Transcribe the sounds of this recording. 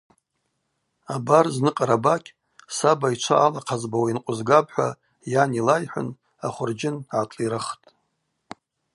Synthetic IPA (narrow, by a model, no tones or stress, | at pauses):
abarznɨqʼaɾabakʲʼ | sabait͡ʃʷʰa̰ʔːlaqʰazbawainqʷʼʊzɡabħʷa | janilajħʷʊ̰n | aχʷʊrd͡ʒɪnʕatʼiɾaχtʼ